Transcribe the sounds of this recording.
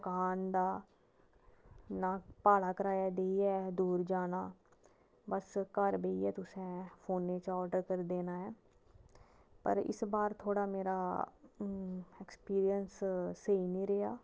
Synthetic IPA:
kaːnd̪aː | naːpaːlaːkəɾaːjaːd̪eːiɛːd̪uːɾd͡ʒaːnaː | bəskəɾbeiɛːt̪ʊsẽːpʰoːnːeːt͡ʃɔːɾɖəɾkəɾd̪eːnaːɦɛː | pə̰ɾɪ̰sbaːɾt̪ʰoːɽaːmeːɾaː | ɛkspiːɾijənsseiːnĩːɾeɦaː

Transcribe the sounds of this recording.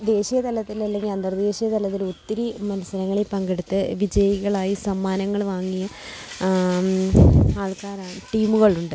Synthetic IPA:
d̪e̞ːɕijɐt̪ɐlɐt̪ːilɐlːe̞ŋɡilɐnd̪ɐrd̪e̞ːɕijɐt̪ɐlɐt̪̬ːilut̪ːiɾimɐnɐsɐɾɐŋːɐɭepɐŋɡeɽut̪ːɨʋid͡ʑɐjiɣɐɭaːjisɐmːaːnɐŋːɐɭʋaːŋːijɐ | aːɭkaːɾaːɳɨʈiːmuɣɐɭuɳɖɨ

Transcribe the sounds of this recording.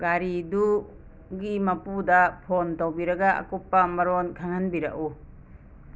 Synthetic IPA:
ɡaɾidu | ɡimɐpudɐpʰontowbiɾɐɡaɐ̰kupːɐmɐɾonkʰaŋhanbiɾɐ̰ʔu

